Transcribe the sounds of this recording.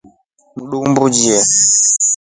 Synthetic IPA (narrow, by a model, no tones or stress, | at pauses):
muɗukmbud͡ʒiɛ